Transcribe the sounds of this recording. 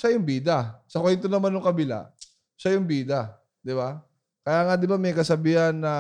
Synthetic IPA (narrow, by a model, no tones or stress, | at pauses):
ʃajʊŋbiːd̪ɐsɐkohɪnt̪onɐmanjʊŋkɐbɪla̰ | ʃajʊŋbiːd̪ɐ | d̪ɪba | kɐjaːŋɐd̪ɪbamɐjkɐsɐbiːhɐnːɐ